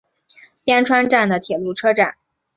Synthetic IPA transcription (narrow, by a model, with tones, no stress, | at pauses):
jɛ˥nʈ͡ʂʰwa˥nʈ͡ʂa˥˩nd̪ə˩t̪ʰjɛ˨˩lu˥˩ʈ͡ʂʰɤ˥ʈ͡ʂa̰˥˩n